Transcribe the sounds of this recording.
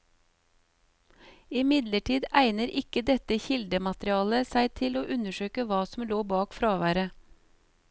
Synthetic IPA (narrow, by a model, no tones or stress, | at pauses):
ɪmɪd̪ləʈʰiːd̪æɪnəɾʔɪkəd̪ɛt̪əçɪld̪əmɑt̪ɾɪɑːləsæɪt̪ʰɪloːʔʉnəʃøːkəʋɑːsm̩loːbɑːkfɾɑːʋæːɾə